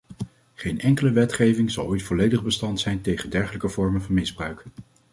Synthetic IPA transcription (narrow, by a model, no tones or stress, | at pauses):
χejnɛŋkələʋɛtχejvɪŋzɑ̰lˠojtfɔlejdəχbəstɑntsɛjntejχəndɛɹχələkəvɔɹmənvɑnmɪzbrœɥk